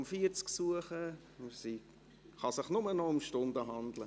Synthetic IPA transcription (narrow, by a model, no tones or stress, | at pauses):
mfiəɾt͡sksuəχə | si | χɑsɪχnʊmənɔʊmʃtʊndəɦɑnd̪lə